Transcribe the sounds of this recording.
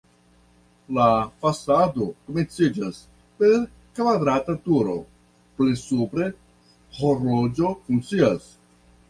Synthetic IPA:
lafasado̞koment͡sid͡ʒas | pe̞ɾ | kvad̪ɾatatuɾo̞̰ | plesupɾe̞ | hoɾod͡ʒo̞fuŋkt͡sias

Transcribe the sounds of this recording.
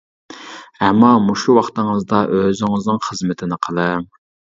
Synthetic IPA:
ɛmːɑmuʃuwɑχt̪ɨŋəzd̪ɑʔøzɪŋɨznɨŋχəzmɪt̪ʰɪnɪqʰəlˠɨ

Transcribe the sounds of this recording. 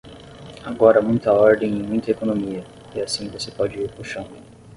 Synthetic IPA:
aɡɔɾɐmũj̃t̪ɐɔɾd̪ẽj̃ẽj̃mũj̃t̪ɐekonomiɐ | ɪasĩvosepɔd͡ʒɪiɾkuʃɐ̃w̃

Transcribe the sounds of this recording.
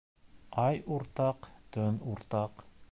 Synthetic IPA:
ɑjuɾt̪ɑqt̪ɵnuɾt̪ɑq

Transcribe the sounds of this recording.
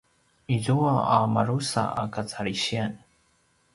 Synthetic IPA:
izuaamaɾusa̰a̰kat͡saɾiɕian

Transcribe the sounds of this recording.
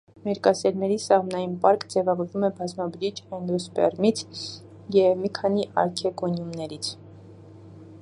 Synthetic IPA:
mɛɾkɑsɛɾnɛɾisɑʁmnɑjinpɑɾkd͡zɛvɑvɔɾvumɛbɑzmɑbəɾit͡ʃʰɛnd̪ɔspɛ̰rmit͡sʰ | jɛvmikʰɑn̪iʔɑ̰ɾkʰɛkɔnjumnɛɾit͡sʰ

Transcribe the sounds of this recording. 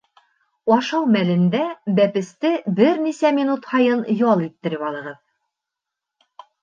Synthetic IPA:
ɒʃɑwmælɘ̆nd̪æbæpɘ̆st̪ɘbɘɾnisæmʲinut̪hɑjɤnjɒlˠit̪ːɘ̆ɾɘpɒlˠɤ̆ʁɤð

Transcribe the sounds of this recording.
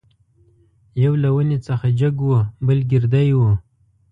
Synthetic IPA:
jawlawənet͡səxad͡ʒaɡwubəlɡɪɾd̪ajwu

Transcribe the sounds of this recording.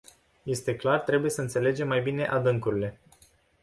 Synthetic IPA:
je̞st̪e̞klart̪ɾe̞buje̞səɨnt̪se̞le̞d͡ʒe̞mːajbine̞ʔad̪ɨŋkuɾile̞

